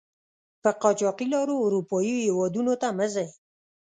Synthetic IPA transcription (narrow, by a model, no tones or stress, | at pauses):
pəqɑt͡ʃɑqilɑɾoːɾupɑjihewɑd̪unot̪aməzaj